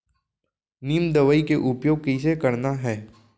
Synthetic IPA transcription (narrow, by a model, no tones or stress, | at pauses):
niːmd̪əʋəikeʔʊpjoːɡ̚kis̬ekɐɾnaɦɛː